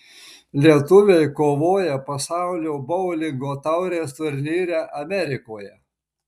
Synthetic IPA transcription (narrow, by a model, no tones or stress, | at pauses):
lʲiɛt̪ʊʋʲeɪkoːʋoːjɛpɐsɑˑʊlʲoːbɔʊlʲɪŋɡoːt̪ɑʊɾʲeːst̪ʊɾʲnʲiːɾʲæʔɐmʲɛɾʲɪkoːjɛ